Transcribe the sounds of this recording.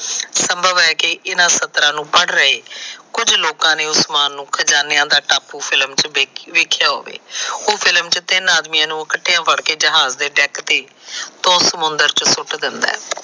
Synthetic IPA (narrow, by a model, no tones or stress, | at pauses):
səmbʱəʋɛːkɪʔɪnãːsət̪ɾãːnũːpəɽɾəɦeːkʊd͡ʒloːkãːneːʊsmaːnːũːkʰəd͡ʒaːneːãːd̪aːʈaːpːuːpʰɪlmt͡ʃːʋeːkʰjaːɦo̰ːʋḛːoːpʰɪlmt͡ʃət̪ɪnaːd̪mijãːnũːəkəʈʰːejãːpəɽkeːd͡ʒɪɦaːzd̪eːɖɛːkt̪eː | t̪õːsəmʊnd̪əɾt͡ʃsʊʈd̪ɪnd̪a̰ː